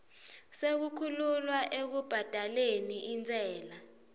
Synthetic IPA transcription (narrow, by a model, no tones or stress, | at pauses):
sek̬ukʰululwaʔek̬ub̥ʱad̥ʱaleniint͡sʼɛːla